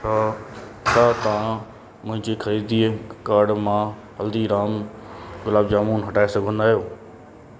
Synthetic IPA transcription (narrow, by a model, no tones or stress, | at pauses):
a | saːt̪ɐʋã | mʊ̃ɦɪ̃ɲd͡ʑekʰɐɾiːd̪ikaːɾɖmã | ɦɐld̪iɾaːmɡʊlaːbd͡ʒaːmuːnɦɐʈaːesɐɡʱõnd̪aːjoː